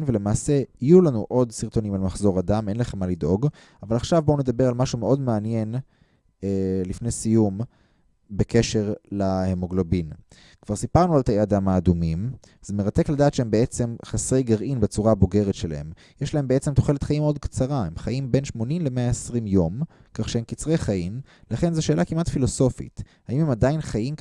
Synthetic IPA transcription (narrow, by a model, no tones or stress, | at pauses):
nvele̞maːse̞ijulanuʔo̞dsiʁt̪o̞nimalmaχzo̞ʁad̪ame̞nlaχe̞mːalid̪o̞ɡ | avalaχʃavbouned̪abe̞ʁalmaʃume̞o̞dmeanje̞n | elifnejsijum | beke̞ʃe̞ʁlahemoɡlobin | kv̥aʁsipaʁnualt̪aead̪amaːd̪umim | z̥emeʁat̪e̞kladaːt̪ʃeembeet͡se̞mχasʁe̞jɡaʁʔinbet͡suʁabo̞ɡe̞ʁetʃela̰he̞̰m | jeʃlae̞mbeet͡semt̪o̞χe̞let̪χaʔimːeo̞dkt͡saʁaemχaimbe̞nʃmo̞nimlemeaesʁimjo̞m | kaχʃeemkit͡sʁejχaim | laχenzeʃe̞ːlʔakimʔatfilo̞so̞fḭt | haimhe̞mad̪ajinχajim